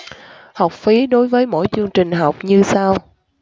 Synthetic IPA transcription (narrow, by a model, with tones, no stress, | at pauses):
ha˨˩wk͡p̚fi˨˦ɗo˨˦jvəː˨˦jmo̰˧˥˨jt͡ɕɨ˧əŋt͡ɕï˨˩ŋ̟ɦa˨˩wk͡p̚ɲɨ˧saː˧w